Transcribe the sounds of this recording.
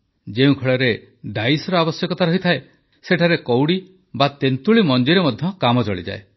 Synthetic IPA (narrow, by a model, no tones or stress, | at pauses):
d͡ʒeũkʰɔɭɔɾe | ɖajsɔɾɔabɔsjɔkɔt̪aɾɔɦit̪ʰae | seʈʰaɾekɔwɽi | bat̪ent̪uɭimɔnd͡ʒiɾemɔd̪ʱjɔkamɔt͡ʃɔɭḭd͡ʒa̰e